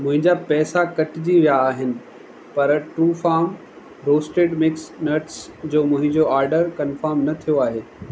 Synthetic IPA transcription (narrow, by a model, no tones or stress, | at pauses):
mʊ̃ɦɪ̃ɲd͡ʑapɛːsakɐʈɪd͡ʑiʋijaːɦɪnɪ̆ | pɐɾʈɾuːfaːɾm | ɾoːsʈeːɖmɪksnɐɾʈsd͡ʑoːmʊ̃ɦɪ̃ɲd͡ʑoʔaːɾɖəɾkɐnfəɾmnɐt̪ʰijoaːɦeː